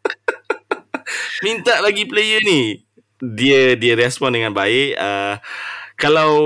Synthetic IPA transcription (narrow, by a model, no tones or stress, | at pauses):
mint̪aʔlaɡiplejəni | diədiəɾɛspɔndəŋãnbaɪʔa | kalaw